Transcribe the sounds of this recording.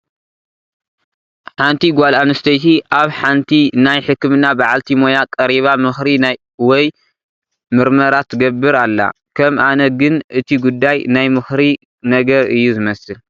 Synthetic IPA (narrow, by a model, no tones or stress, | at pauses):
ħant̪ʰiɡʷalanɨst̪ʰɐjt̪ʰiʔaβħant̪ʰinajħɨkːɨmɨnabaʕalt̪ʰimo̞jakʼɐɾiβamɨxɾinaj | wɔj | mɨɾmɐɾat̪ʰɡɐbːɨɾalːa̰ | kʰɐmʔanɐɡɨnʔɨt̪ʰiɡud̪ːajnajmɨxɾi | nɐɡɐɾɨjːuzɨmɐsɨl